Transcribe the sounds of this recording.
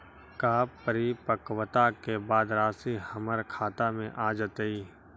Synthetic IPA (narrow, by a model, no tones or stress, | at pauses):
kaːpːəɾipəkwət̪akebaːd̪ɾaːsihəməɾkʰaːt̪amẽʔaːd͡ʒət̪əiː